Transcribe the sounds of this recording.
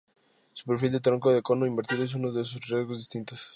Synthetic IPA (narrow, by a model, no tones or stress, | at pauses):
su̥peɾfild̪et̪ɾoŋkoðekonoimbeɾt̪iðoes̬unoðes̬usrjezɣozðist̪int̪os